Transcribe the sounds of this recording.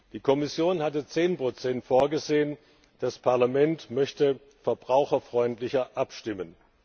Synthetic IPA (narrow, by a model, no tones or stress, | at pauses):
d̥iːkʰɔmɪsjoːnhatət͡seːnpʁ̥ot͡sɛntfoːɐɡəzeːən | d̥aspʰaɐlamɛntmœçtə | fɛɐbʁaʊxɐfʁ̥ɔʏntlɪçɐʔapʃtɪmən